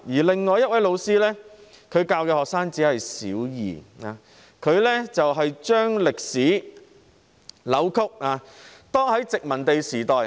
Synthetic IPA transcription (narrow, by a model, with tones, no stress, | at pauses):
jiː˨˩lɪ˨ŋːɔː˨˧jɐ˥t̚wɐ˨˥jlo˨˧wsiː˥lɛː˥ | kʰɵ˨˧ɥkaː˧wkɛː˧hɔː˨k̚saː˥ŋt͡siː˨˥hɐ˨jsḭː˨˥wjḭː˨aː˨˧ | kʰɵ˨˧ɥlɛː˥t͡sɐ˨wɦɐ˨jt͡ʃœː˥ŋlɪ˨k̚siː˨˥ | lɐ˨˥wkʰʊ˥k̚aː˨˧t̪ɔː˥ŋhɐ˨˥jt͡sɪ˨k̚mɐ˨˩nt̪e˨jsiː˨˩t̪ɔː˨j